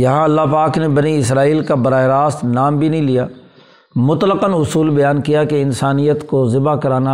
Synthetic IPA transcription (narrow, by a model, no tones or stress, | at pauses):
jɐɦãɐlːapaːknebɐniɪsɾaːiːlkabɐɾaːeɾaːst̪naːmbʱinɐɦĩlijaː | mʊt̪ləqənʊsuːlbɐjaːnkijakeɪnsaːnijət̪kozɪbakɐɾaːna